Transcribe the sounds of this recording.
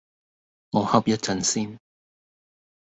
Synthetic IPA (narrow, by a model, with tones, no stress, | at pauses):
ŋɔ˨˧hɐ˨˥p̚jɐ˥t̚t͡sɐ˨nsiː˥n